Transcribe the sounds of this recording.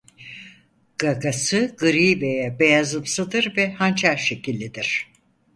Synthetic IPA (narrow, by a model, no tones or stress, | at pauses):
ɡ̥aɡasɯɡɯɾiːbejɛbejazɯmsɯd̪ɯɾvɛhant͡ʃʰaɾʃe̞cilʲːid̪iɾ̥